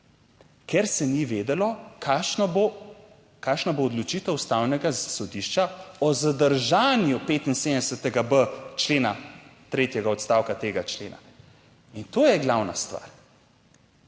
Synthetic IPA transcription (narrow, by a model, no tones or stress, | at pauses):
kɛɾsɛniʋed̪ɛlɔaʃn | kaːʃnaboːd̪lɔt͡ʃiːt̪ɛwust̪awnɛɡasɔd̪iʃt͡ʃaɔzad̪əɾʒaːnjupeːt̪insed̪əd̪ɛsət̪ɛɡabət͡ʃleːna̰t̪ɾeːt̪jɛɡaɔt̪st̪awkat̪eːɡat͡ʃleːna̰ | int̪oːjɛɡlawna̰st̪ʋa̰ɾ